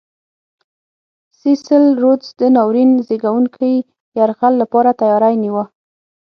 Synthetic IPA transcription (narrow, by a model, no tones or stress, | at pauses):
sisəlɾot͡sd̪ənɑwɾinzeɡawuŋkʰəj | jaɾɣalːapɑɾat̪ajɑɾajniwə